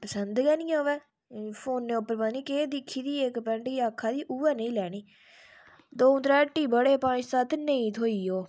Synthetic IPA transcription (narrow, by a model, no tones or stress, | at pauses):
pəsənd̪ɡɛːnĩːoːʋɛː | pʰoːnːeːʊpːəɾbaːniːkeːd̪ɪkʰːiːd̪iːekpɛ̃ɳʈiːaːkʰːaːd̪iːʔuːɛːnəĩːlɛːɽ̃iː | d̪oːʊ̃nd̪ɾɛːʈːiːbəɽeːpãːt͡ʃsaːt̪ʰnəĩːt̪ʰoːiːoː